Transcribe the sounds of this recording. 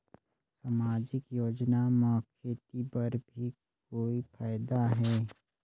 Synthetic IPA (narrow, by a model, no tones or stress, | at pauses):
samaːd͡ʒɪkjoːd͡ʒnamɔkʰːet̪ipɐɾbʱikkoːipʰaːɪd̪aɦɛː